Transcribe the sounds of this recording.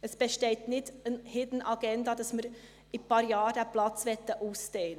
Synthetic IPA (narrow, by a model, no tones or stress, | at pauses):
əsb̥ɛʃteːtnɪdənhɪdn̩ɑɡ̥ɛndɑd̥ɑsmɪɾ | ɪpʰɑːɾjɑːɾdɛplɑt͡sʋɛtːəʔuːsteːn